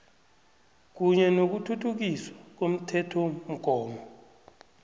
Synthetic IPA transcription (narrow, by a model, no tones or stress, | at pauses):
k̬uɲɛnok̬utʰutʰuk̬iswak̬om̩tʰɛtʰɔm̩ɡ̥ʱɔːmɔ